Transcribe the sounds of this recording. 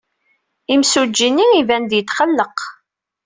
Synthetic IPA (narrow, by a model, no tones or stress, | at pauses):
imsud͡ʒːinːiivænd̪jət̪ːχəlːəq